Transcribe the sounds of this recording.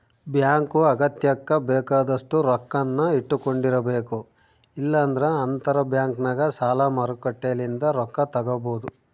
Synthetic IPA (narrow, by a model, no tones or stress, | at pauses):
bjaːŋkuɐɡɐt̪jɐkːɐbɛːkaːd̪ɐʂʈuɾɔkːɐnːɐiʈːukoɳɖiɾɐbe̞ːku | ilːɐːnd̪ɐɾeɐnt̪ɐɾɐbjaːŋknɐɡɐsaːlamɐɾukɐʈːelind̪ɐɾɔkːɐt̪ɐɡɐboːd̪u